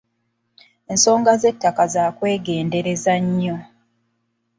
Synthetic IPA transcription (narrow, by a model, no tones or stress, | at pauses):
e̞nso̞ːŋɡaze̞tːakazaːkwe̞ːɡe̞ːnde̞ɾe̞zaɲːo̞